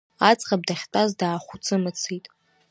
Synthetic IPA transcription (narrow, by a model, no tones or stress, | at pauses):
at͡sʼqʼab̚daχʲtʼazdaːχʷut͡sʰʼɨmɨt͡sʰitʼ